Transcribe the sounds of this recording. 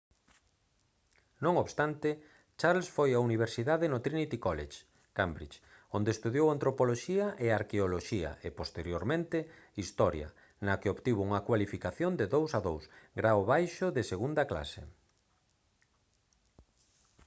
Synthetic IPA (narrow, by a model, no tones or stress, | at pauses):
nõŋoβst̪ant̪ɪ | t͡ʃaɾlsfojauniβ̞eɾsiðaðenot̪ɾinit̪ikɔleʃ | kambɾit͡ʃ | ond̪est̪uðjowant̪ɾopoloʃiɐʔeaɾkeoloʃiɐ̰ʔepost̪eɾjoɾmẽnt̪e | ist̪ɔɾjɐ̰ | nɐkeoβt̪iβouŋɐkwalifikaθjond̪eðowsaðowsɡɾawoβajʃʊðeseɣund̪ɐkla̰sḛ